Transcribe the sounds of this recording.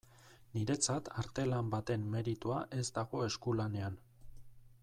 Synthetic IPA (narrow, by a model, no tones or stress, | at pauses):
niɾe̞t͡sat̪aɾt̪e̞lambat̪e̞mːe̞ɾit̪uaʔe̞zd̪aɣo̞eskulane̞an